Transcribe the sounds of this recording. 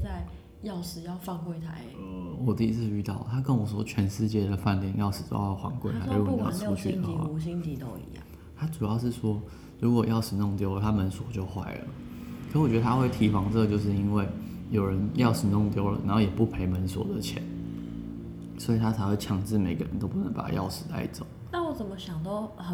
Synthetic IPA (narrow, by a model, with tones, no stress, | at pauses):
t͡sa˥˧ɪ | jɑ˥˩ʊʂɻ̩˧˩jɑ˥˧ʊfɑ˥˧ŋkwe˥˩ɪt̪ʰa˧˥˦ɪwɔ˨˩t̪i˥˧i˥t͡s̩ʰ˥˧˩y˥˧t̪ɑ˥˩ʊlə˨t̪ʰa˥k̬ə˦˥nwɔ˨˩swɔ̰˥t͡ɕʰɥɛ˧˥nʂɻ̩˥˧t͡ɕjɛ˥˩d̪ə˩fa˥˧nt̪i˥˨˩ŋjɑ˥˩ʊʂɻ̩˧˥t͡so̰˥˧jɑ˥˩fwa̰˧˥ŋkwe˥˩ɪa˥˨˥jɑ̰˥˧˩ʈ͡ʂʰu˥t͡ɕʰy̰˥˨d̪ə˨˩˦xwa̰˥˩u˧˥ɕ̬i˥nt̪i˧t̪o˥˧ʊḭ˧˦jɑ̰˥˩ŋ | t̪ʰa˥ʈ͡ʂu˨˩jɑ˥˧ʊʂɻ̩˥˩swɔ˥ | ɻu˧˥kwɔ˨˩jɑ˥˩ʊʂɻ̩˧˦nʊ˥˩ŋt̪jo˥ʊə˨˩t̪ʰa˥mə˧˦nswɔ˨˦t͡ɕjo˥˧ʊxwa̰˥˩ɪlə̰˩kʰə˧˥i˥˩wɔ˨˩t͡ɕɥ̪ə˧t̪ʰa˥xwe˥˩ɪt̪ʰi˨˩fɑ˧˥ŋʈ͡ʂə˥˩ə˩t͡ɕjo˥˧ʊʂ̬̩˥˩i˥nwe˥˩ɪ | jo˨˩ʊɻə˧˦njɑ˥˩ʊʂɻ̩˨˩nʊ˥˧ŋt̪jo˥ʊlə̰˨˩na̰˨˧nho˥˩jɛ˨˩pu˥˩pʰe˧˥ɪmə˧˦nswɔ̰˨˥d̪ə˨t͡ɕʰjɛ̰˧˦n | swɔ˧˥i˨˩t̪ʰa˥t͡sʰa˧˥ɪxwe˥˩ɪt͡ɕʰjɑ˨˥ŋt͡sɻ̩˥˩me˨˩ɪɡə̰˧˦ɻə̰˧˦nt̪o˥ʊpu˥˩nə˧˦ŋpa̰˨˩jɑ̰˥˩ʊʂɻ̩˨˩t̪a̰˥˧ɪ˥t͡so̰˨˩˦ʊna˥˩wɔ˨˩t͡sə˨˩mə˦ɕjɑ˨˩ŋt̪ɑ˥˩ʊ˩